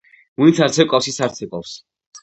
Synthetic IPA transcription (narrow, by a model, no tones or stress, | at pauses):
munit̪sʰaɾtsʰɛkʼɔfsisaɾt̪sʰɛkʼɔfs